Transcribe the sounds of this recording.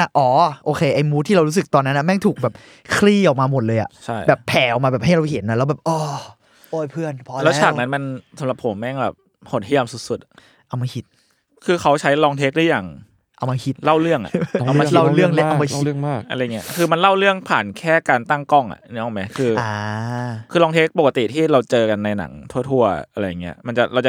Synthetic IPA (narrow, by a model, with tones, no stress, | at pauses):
ʔa˧˩ʔɔː˩˦ʔoː˧kʰeː˧ʔa˧jmuː˦˥t̪ʰiː˥ɾa˧wɾu˦˥s̬ɯ˨˩k̚t̪ɔː˧nːa˦˥nʔa˨˩mɛː˥˩ŋt̪ʰuː˨˩k̚bɛː˨˩p̚ | kʰɾiː˥˩ʔɔː˨˩k̚maː˧mo˨˩t̪̚lɤː˧jʔa̰˨˩ʔt͡ɕʰa˥˩jbɛː˨˩pʰːɛː˨˩ʔɔ˨˩k̚maː˧bɛː˨˩p̚ɦa˥˩jɾa˧whe˩˦nːa˧˩lɛ˦˥bɛː˨˩p̚ʔɔː˧˩ | ʔoː˧˩pʰɯ˥˩ənpʰɔː˧lɛ˦˥t͡ɕʰaː˨k̚na˦˥nma˧nsa˩˦la˨˩p̚ʰːo˩˦mːɛ˥˩ŋbɛ̰ː˨˩p̚ | ho˨˩n̚hi˥˩ə˧msu˨˩t̪̚su˨˩t̪̚ | ʔa˧wmaː˧kʰi˦t̪̚ | kʰɯː˧kʰa˦˥wt͡ɕʰa˦˥jlɔː˧ŋt̪ʰeː˦˥k̚dɯː˥ə˨jaː˨˩ŋ | ʔa˧wma˧kʰi˦t̪̚la˥˩wɾɯ˥˩əŋʔa̰˨˩ʔa˧m˧˥˧a˥˩lɯ˥˩əŋle˦˥ʔa˧wma˧i˧˩ɯ˥˩əŋmaː˥˩kʔa̰˧ɾa˧jːŋi˦˥˧kʰɯː˧ma˧nla˥˩wɾɯ˥˩əŋpʰaː˨˩nkʰɛː˥˩kaː˧nt̪a˥˩ŋkɔ˥˩ŋʔa̰˨˩ʔni˦˥ʔɔː˨˩ma˦˥kʰɯː˧aː˧kʰɯː˧lɔː˧ŋt̪ʰeː˦˥k̚po˨˩k̚ːa˧t̪ḭ˨˩t̪ʰiː˥˩ɾa˧wt͡ɕɤː˧ka˧nːa˧jna̰˩˦ŋt̪ʰu˥˩ət̪ʰu˥˩ɐ̰ʔa˧ɾa˧jːa˨˩ŋːi˦˥ɐma˧nt͡ɕa˨˩ʔɾa˧wt͡ɕa˨˩